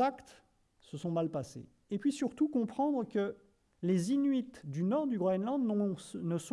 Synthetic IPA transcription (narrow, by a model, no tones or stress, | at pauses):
akt̪ | səsɔ̃malpasḛ | epɥisyʁt̪ukɔ̃pχɑ̃d̪ʁəkə | lezinɥit̪d̪ynɔʁd̪yɡʁɔɛnlɑ̃d̪nəs